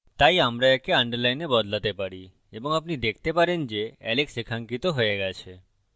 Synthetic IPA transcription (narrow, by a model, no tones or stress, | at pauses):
t̪ajamɾaɛkeaɳɖəɾlajnebɔd̪lat̪epaɽi | eboŋapnid̪ekʰt̪epaɾend͡ʑeɛleksekʰaŋkit̪oɦoeɡɛt͡ɕʰe